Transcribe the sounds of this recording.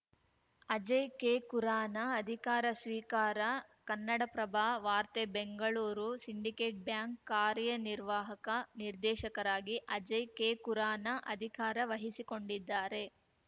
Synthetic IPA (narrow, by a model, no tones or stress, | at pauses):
ɐd͡ʒɐjkeːkuɾaːnɐːd̪ʱikaːɾɐsʋiːkaːɾɐkɐnːɐɽɐpɾɐbʱaːʋaːɾt̪ebeŋɡɐɭuːɾusiɳɖikeːʈ̚bjaːŋkːaːɾjɐniɾʋaːɦɐkɐniɾd̪ɛːʃɐkɐɾaːɡiʔɐd͡ʒɐjkeːkuɾaːnɐʔɐd̪ʱikaːɾɐʋɐɦisiko̞ɳɖid̪ːaːɾe̞